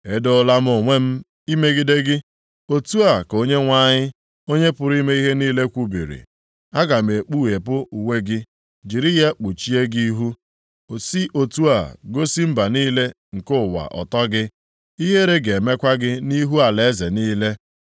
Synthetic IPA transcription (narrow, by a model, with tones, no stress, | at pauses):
e˨do˦la˦m̩˦o˨ŋʷe˦m̩˦ | i˦me˦ɡi˦de˦ɡɪ˦ | o˨tu˦a˨ko˦ɲe˦ŋʷa˦ɲɪ˦ | o˦ɲe˦pʊ˨ɾi˦me˦i˦ɦe˦niː˦le˦kʷu˦bḭ˨ɾḭ˨ | a˦ɡa˨m̩˨e˨k͡pu˦˨e˨pʊ˦u˨we˦ɡɪ˦ | d͡ʒi˨ɾi˦ja˦k͡pu˨t͡ʃi˦e˦ɡi˦ɦu˦˨ | si˦ʔo˨tu˦a̰˨ɡo˦si˦m̩˦ba˨niː˦le˦ | ŋ̩˨kʊ˦˨wa̰˨ʔɔ̰˨tɔ˦ɡɪ˦ | i˦ɦe˦ɾe˦ɡe˨e˨me˦kʷa˦ɡɪ˦ni˦ɦu˦a˨le˨˦ze˨niː˦le˦